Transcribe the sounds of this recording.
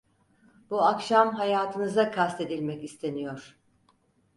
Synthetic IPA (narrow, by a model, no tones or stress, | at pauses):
buakʃamɦajaːt̪ʰɯnɯzakʰast̪ʰe̞d̪ilʲmɛcist̪ʰe̞nijo̞ɾ̥